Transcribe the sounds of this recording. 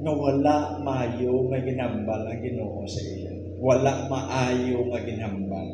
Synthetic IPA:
ŋɐwɐlaʔmɐʔaːjoŋɐɡɪnambalɐŋɡɪnoːʔosɐʔɪlo | wɐlaʔmɐʔaːjoŋɐɡɪnambal

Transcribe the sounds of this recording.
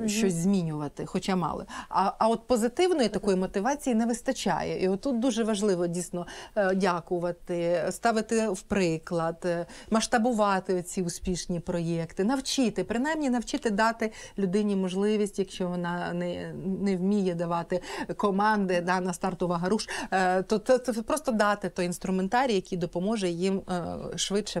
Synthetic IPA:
ʃt͡ʃɔsʲzʲmʲinʲʊʋɐt̪ɪxɔt͡ʃamɑ̰lˠɪ̰ɐɐɔt̪̚pɔzɪt̪ɪwnɔjit̪ɐkɔjimɔt̪ɪʋɑt͡sʲijinɛʋɪst̪ɐt͡ʃʲa̰jɛ̰ʔiɔt̪ːut̪̚d̪uʒɛʋɐʒlˠɪʋɔdʲijsnɔdʲakʊʋɐt̪ɪst̪ɑʋɪt̪ɪwpɾɪklˠɐd̪mɐʃt̪ɐbʊʋɑt̪ɪɔt͡sʲiʊspʲiʃnʲipɾɔjɛkt̪ɪnɐwt͡ʃɪt̪ɪpɾɪnajmnʲinɐwt͡ʃɪt̪ɪd̪ɑt̪ɪlʲʊd̪ɪnʲimɔʒlˠɪʋʲisʲtʲjɐkʃt͡ʃɔʋɔnɑnɛnɛwmʲijɛd̪ɐʋɑt̪ɪkɔmɑnd̪ɪd̪ɑnɐst̪ɑrt̪ʊʋɐɦɐɾuʃt̪ɔt̪ɛpɾɔst̪ɔd̪ɑt̪ɪt̪ɔjinst̪ɾʊment̪ɑɾʲijɐkʲijd̪ɔpɔmɔʒɛjimʃʋɪt͡ʃɛ

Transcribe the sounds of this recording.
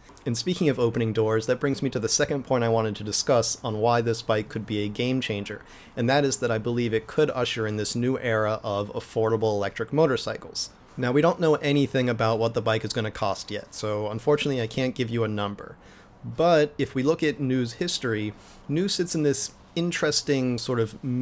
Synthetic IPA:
ɨ̃nspikɪ̃ŋʌvoʊpɨnɪ̃ŋdɔɹzðɨt̚b̥ɹɪ̃ŋzmiɾɨðɨsɛkɨ̃npʰɔ̃ɪ̃ɾ̃aɪwɑ̃ɾ̃ɨd̚tʰɨdɨskʌsn̩waɪðɪsb̥aɪkʰːɨd̚biɨɡẽɪ̃mt͡ʃʰẽɪ̃nd͡ʒə̰˞ | ɨ̃nðɨɾɨzðɨɾaɪbəlivɨt̚kʰɨɾʌʃə˞ɨ̃nðɪsnʉʔɛɹəʔʌvə̰fɔɹɾəbl̩ˠəlɛk̚tɹ̥ɨk̚moʊɾə˞saɪkl̩ˠz̥ | naʊwiɾõʊ̃nːoʊʔɛñiθɪ̃ŋɨbaʊt̚wʌt̪̚ðəbaɪkɨzɡʌñɨkʰɔ̰st̚jɛ̰tsoʊə̃ɱfɔɹt͡ʃɨnətˡliaɪkʰæ̃nɡ̥ɪvjɨənʌ̃mbə̰˞ | bʌɾɨfwilʊkɨtⁿnʉz̥hɪstɹ̥i | nʉsɪtsn̩ðɪs | ɪ̃nt͡ʃɹ̥ɨstɪ̃ŋsɔɹɾʌv

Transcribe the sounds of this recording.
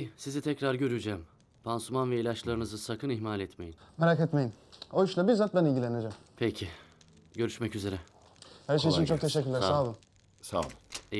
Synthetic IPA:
sizit̪ʰɛcɾaɾɟø̞ɾyd͡ʒɛːm | pʰansumanvɛilʲat͡ʃlˠaɾɯnɯzɯsakʰɯniçmalʲɛt̪me̞jinmeɾaket̪me̞jinojyʃlˠabiɾzat̪̚bænilʲɟilʲened͡ʒɛmpʰecʰiɪ | ɟø̞ɾyʃmɛcyze̞ɾɛ | hæɾʃ̬ejiint͡ʃʰo̞kt̪ʰeʃɛcːyɾlʲæsalɯ | sa̰b̪ˠɯ

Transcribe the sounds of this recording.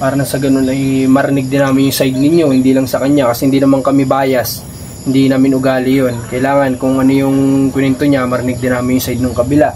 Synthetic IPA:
paːɾɐnɐsɐɡɐno̞nɐjmɐɾɪnɪɡ̚d̪ɪnaːmɪnjʊŋsajd̪̚nɪɲjo̞hɪnd̪iːlɐŋsɐkɐɲːakɐsɛhɪnd̪iːnɐmaŋkɐmɛbaːjɐs | hɪnd̪inaːmɪnʊɡaːlɪjonkɐɪlaːŋɐnkʊŋʔɐnojʊŋkwɪnɛnt̪oɲamɐɾɪnɪɡ̚d̪ɪnaːmɪnjʊŋsajd̪̚nɐŋkɐbɪlaʔ

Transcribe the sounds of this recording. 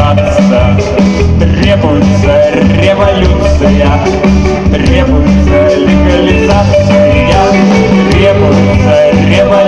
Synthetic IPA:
at̪ssɨj | t̪rʲebʊjʊt̪sərʲevɐlʲut̪sɨjɐ | t̪rʲebʊjt̪sə | lʲɪɡɐlʲɪzat̪sɨ | jə | t̪rʲebʊjʊt̪sə | rʲevɐ

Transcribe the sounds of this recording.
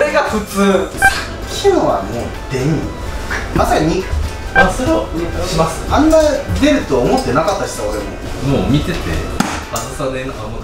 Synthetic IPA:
ɾeɡaɸɯ̟t͡sɨː | kʲɨoβa̰moː | d̪̥ẽ̞ɲi | masaɲ̟i | asoɾeɕimasɨ̥ãnːad̪e̞ɾɯ̟t̪o̞ːmo̞t̪ːe̞nakat̪ːaɕi̥t̪aoɾe̞mo̞̰ | moːmʲit̪e̞t̪e̞̰asasanenoɦamo

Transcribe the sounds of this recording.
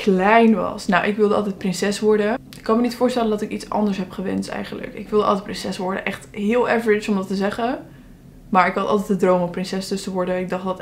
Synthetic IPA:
klɛjnʋɑ̰snawʔɪkʋɪlˠdəɑlˠtɛjt̚prɪnsɛsʋɔɹdəɪkːɑnmənitfʊːɹstɛləndɑtɪkitsɑ̰ndəsɦɛpχəʋɛ̰ntɛ̰jχənlə̰kɪ̰kʋɪlˠdəɑ̰lˠtɛtprɪnsɛsʋɔɹdə̰ʔɛχtɦɪːlˠɛvəɹɪt͡ʃɔmdɑtəzɛχə | maːɹɪkɦɑtɑlˠtɛtdədrowmɔprɪnsɛsdɵsəʋɔɹdəɪɡ̚dɑχdɑt

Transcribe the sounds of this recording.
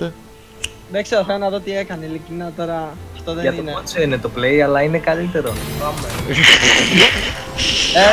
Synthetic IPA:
ðekseɾoθelonɐðo̞t̪iekɐnilicinɐt̪o̞ɾɐɐft̪oðeɐtnioneot͡senet̪o̞ple̞iɐlɐinekɐlit̪e̞ɾo̞pɐme | e

